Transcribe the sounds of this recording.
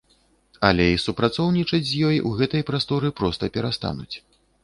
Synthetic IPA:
ɐlʲɛisupɾat̪sɔwnʲit͡ʂɐd͡zʲzʲjɔjṵɣɛt̪ɐjpɾast̪ɔɾɨpɾɔst̪ɐpʲɛɾast̪a̰nṵt͡sʲ

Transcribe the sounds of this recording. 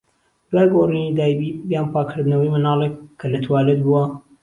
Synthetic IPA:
d̪̥waːjɡorinid̪aːjbibijaːnpʰaːkʰɨɾd̪nɐwɐjmɨnɑːlˠekːʰɐlɐt̪ʰwaːlɐt̪̚buɐ

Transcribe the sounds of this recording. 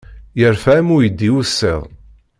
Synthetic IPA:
jəɾfæmʊjəd̪ːiwusːɛ̰ðˤ

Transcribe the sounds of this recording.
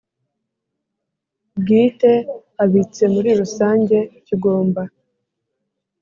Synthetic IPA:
bɡiːte̞ | aβit͡se̞muɾiɾusaːɲɟe̞ciɡo̞ːmba

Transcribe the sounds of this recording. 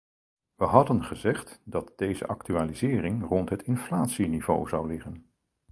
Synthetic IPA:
ʋəɦɑdənχəzɛχtdɑt̚d̥ejzə̰ʔɑktyaːlizɪːrɪŋrɔntɦətʰɪnflaːtsinivo̰wzɑwlɪχən

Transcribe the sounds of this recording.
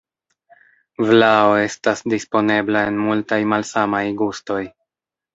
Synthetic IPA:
vlao̞e̞stasdispo̞ne̞blae̞nmultajmalsamajɡusto̞j

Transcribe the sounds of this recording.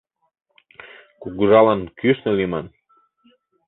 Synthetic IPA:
kuɣuʒɑlɑnkyʃnəlimɑn

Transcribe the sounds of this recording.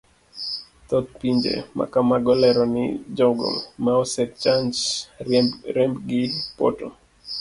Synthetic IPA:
t̪ɔt̪̚piɲd͡ʒḛma̰kamaɡɔlɛɾɔnɪ̰d͡ʒɔɡɔ̰maɔsɛt̚t͡ʃand͡ʒ | ɾɛmbɡɪpɔ̰tɔ

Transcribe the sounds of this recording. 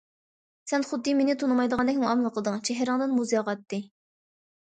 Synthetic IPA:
sɛnχʊd̪ːɨmenɪt̪ʰonɨmɑjd̪əʁɑnd̪ɛkʲmuŋɑmlˠəqʰlˠəd̪ɨŋt͡ʃʰɛɦɾəŋd̪ɨnmuzjɑʁɑt̪ːɨ

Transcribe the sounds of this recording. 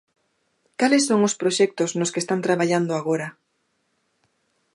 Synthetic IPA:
kalesːoŋospɾoʃɛk̚t̪oznoskest̪ant̪ɾaβaʎand̪oaɣ̞oɾɐ

